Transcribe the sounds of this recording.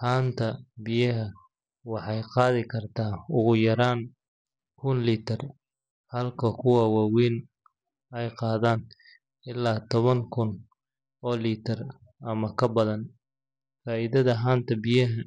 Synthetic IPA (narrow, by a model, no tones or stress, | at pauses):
haːnt̪ʰɐbɪjɐɦɐ | wɑħɑjqɑːðɪkʰɐrt̪ʰaːʊɣʊjɐɾaːn | kʰʊnliːt̪ʰɐr | hɐlkʰɐkʰʊwɑwɑːwiːn | ɛjqɑːðaːn | ɪlːaːt̪ʰɔβɐŋkʰʊn | ɔːliːt̪ʰɐr | ʔɐmɐkʰɐbɐðɐn | faːʔiðɐðɐɦaːnt̪ʰɐbɪjɐɦɐ